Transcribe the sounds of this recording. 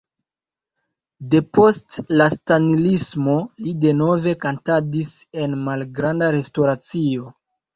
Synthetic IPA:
de̞po̞stlastanilismo̞lide̞no̞ve̞kantadis | e̞nmalɡɾandaɾe̞stoɾat͡sio̞

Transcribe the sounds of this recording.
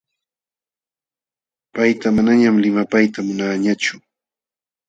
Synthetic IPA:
pajt̪amanaɲamlɪmapajt̪amʊnaɲat͡ʃʊ

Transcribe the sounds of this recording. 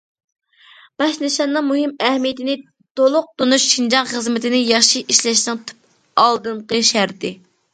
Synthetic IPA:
b̥ɑʃnɪʃɑnːɨŋmuɦɪmɛhmijɪt̪ɪnɪ | t̪olˠʊq̚t̪onuʃʃind͡ʒɑŋχəzmɪt̪ʰɪnɪjɑχʃiiʃlɛʃnɪŋt̪ʰu̥p̚ | ɑlˠd̪ɨnqəʃæɾd̪ɪ

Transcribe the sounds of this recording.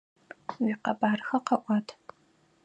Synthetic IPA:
wiqɐbʼaːrxɐqɐʔʷɑːtʰ

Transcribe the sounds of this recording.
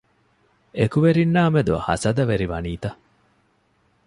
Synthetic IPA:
ekuʋeɾinːaːmed̪uhɐ̰sɐd̪ɐʋeɾiʋɐniːt̪ɐ

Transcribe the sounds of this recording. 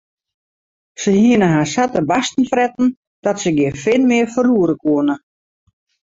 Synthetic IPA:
səhiənəɦaːsatəbastn̩frɛtn̩ | d̥ɔtsəɡɪəfɪlˠmɪərfəruəɾəkuənə

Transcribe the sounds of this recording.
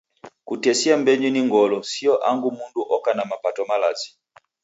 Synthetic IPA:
kutɛsiambɛɲiniŋɡɔlɔsiɔʔaŋɡumunduʔɔkanamapatɔmalazi̥

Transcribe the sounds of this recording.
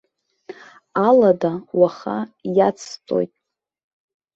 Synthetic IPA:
aladawaχa̰jat͡sʰt͡sʼo̰jtʼ

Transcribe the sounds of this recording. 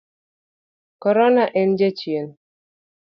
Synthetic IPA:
kɔɾɔnaʔɛnd͡ʒɛt͡ʃien

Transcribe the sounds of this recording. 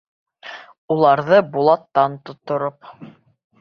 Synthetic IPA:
ulˠɑɾðɤbulˠɑt̪ːɑnt̪ŏt̪ŏɾop̚

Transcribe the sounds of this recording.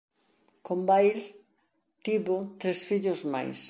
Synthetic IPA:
kombajl | t̪iβʊt̪ɾesfiʎʊzma̰js

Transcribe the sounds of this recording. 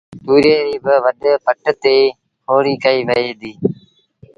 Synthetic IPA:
t̪uːɾeːɾiːbəʋəɗpəʈt̪eː | kʰoːɽiːkəiːʋəeːd̪iː

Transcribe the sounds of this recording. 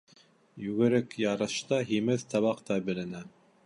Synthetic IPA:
jʉɣɘ̆ɾɘkjɑɾɤ̆ʃt̪ɑɦimɘðt̪ɑβɑqt̪ɑbɘ̆lɘ̆næ

